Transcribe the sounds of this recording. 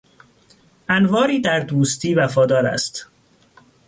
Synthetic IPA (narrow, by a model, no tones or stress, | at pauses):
ʔænvɒːɾiːd̪æɾd̪uːst̪ʰiːvæfɒːd̪ɒːɾæ̰st̪